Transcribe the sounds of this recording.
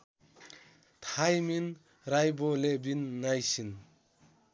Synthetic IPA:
t̪ʰajmin | ɾajbɔlebinːajsin

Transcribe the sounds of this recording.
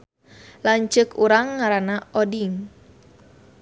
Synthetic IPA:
laɲt͡ʃəkuɾaŋːaɾanaɔdiŋ

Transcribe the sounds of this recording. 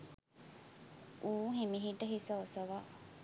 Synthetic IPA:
ʔuːɦimiɦiʈːɐɦisɐosɐʋa

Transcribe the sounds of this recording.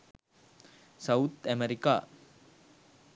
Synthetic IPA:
sɐwt̪æmeɾika̰ː

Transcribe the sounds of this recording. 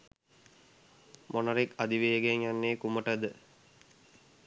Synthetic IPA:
monɐɾekad̪iʋeːɡeɲjanːeːkuməʈəd̪ə

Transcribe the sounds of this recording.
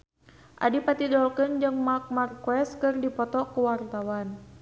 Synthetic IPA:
ʔa̰dipat̪idɔlkɨnd͡ʒɨŋmak̚markwɛskɨrdipɔt̪ɔkuwart̪awan

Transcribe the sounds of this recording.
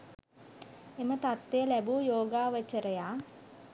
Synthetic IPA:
emət̪at̪ːejəlæbuːjoːɡaːʋət͡ʃəɾəjaː

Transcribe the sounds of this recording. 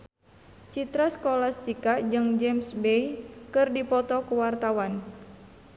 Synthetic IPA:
t͡ʃit̪ɾaskɔlast̪ikad͡ʒɨŋd͡ʒɛmsbejkɨrdipɔt̪ɔkuwart̪awan

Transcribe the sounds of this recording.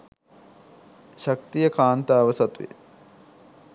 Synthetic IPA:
ʃɐkt̪ijəkaːnt̪aːʋəsɐt̪ujḛ

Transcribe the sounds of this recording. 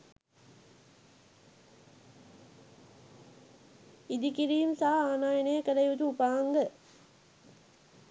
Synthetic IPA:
id̪ikiɾiːmsaɦaaːnaːjənəjəkəɾəjud̪uupaːŋɡə

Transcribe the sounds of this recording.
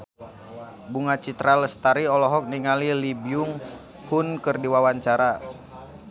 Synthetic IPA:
buŋat͡ʃit̪ɾaləst̪aɾiɔlɔɦɔk̚niŋalilibiuŋ | hunkɨrdiwawaɲt͡ʃaɾa

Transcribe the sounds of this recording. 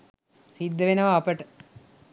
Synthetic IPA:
sid̪ːəʋenɐʋaːpəʈə

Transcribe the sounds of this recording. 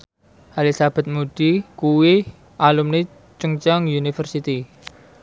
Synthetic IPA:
ʔalisab̥a̤t̪̚mud̪̥i̤kuwi | ʔalumne | t͡ʃəŋt͡ʃaŋjunifərsit̪i

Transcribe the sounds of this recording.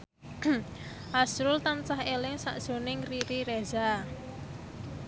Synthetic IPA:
ʔasɾʊlt̪ant͡ʃaɦelɪŋsa̰ʔd̥ʒ̥o̤nɪŋriɾiɾeza

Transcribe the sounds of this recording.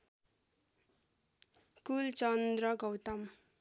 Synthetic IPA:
kult͡sʌnd̪rʌɡʌwt̪ʌm

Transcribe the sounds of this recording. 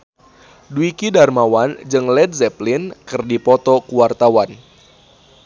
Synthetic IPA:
duikidarmawand͡ʒɨŋlɛd̪̚zɛplinkɨrdipɔt̪ɔkuwart̪awan

